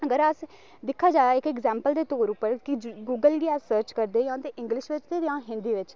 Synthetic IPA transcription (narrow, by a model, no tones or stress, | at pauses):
əɡəɾəs | d̪ɪkʰːaːd͡ʒaːaɪkɛɡzɛ̃ːmpəld̪eːt̪oːɾʊpːəɾkɪd͡ʒɡuːɡəlɡiːɛːsəɾt͡ʃkəɾd̪eːjãːt̪eːʔɪ̃ŋɡlɪʃʋɪt͡ʃt̪eːdjãːɦɪ̃nd̪iːʋɪt͡ʃ